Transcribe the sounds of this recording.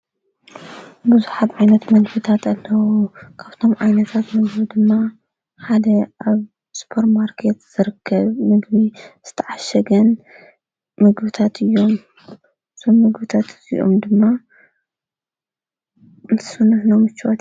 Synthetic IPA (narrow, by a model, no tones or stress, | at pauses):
bɨzuħat̪ʕajnɐt̪mɐɡbɨt̪ʰat̪ʰɐlːɐwokʰaβt̪ʰo̞mʕajnɐt̪ʰat̪mɨɡbid̪ɨmːa | ħad̪ɐʔaβ | spʰoɾmaɾkʰet̪z̥ɨɾɨkʰːɐβmɨɡbiz̥ɨt̪ʰɐʕaʃɐɡɐn | mɨɡbɨt̪ʰat̪ʰɨjːo̞m | ɨzʰomːɨɡbɨt̪ʰat̪ɨzḭʔo̰md̪ɨmːa | ɨnt̪ʰɨ̥sɨnɨħnomɨt͡ʃːwat̪